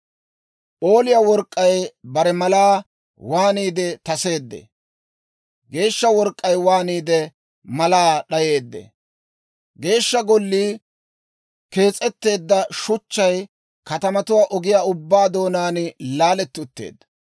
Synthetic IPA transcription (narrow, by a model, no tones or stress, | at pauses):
ʔo̞ːlɪjawɔɾkʼːɐjbɐɾɛmɐlaː | waːniːd̪ɛt̪ɐse̞ːd̪ːɛ̰ | ɡe̞ːʃːɐwɔɾkʼːɐjwaːniːd̪ɛ | mɐlaːɗɐje̞ːd̪ːɛ̰ | ɡe̞ːʃːɐɡɔlːiː | ke̞ːt͡sʼːɛt̪ːe̞ːd̪ːɐʃʊt͡ʃːɐj | kɐt̪ɐmɐt̪ʊwaːʔɔɡɪjaːʊbːaːd̪o̞ːnaːnɪlaːlɛt̪ːʊt̪ːḛːd̪ːɐ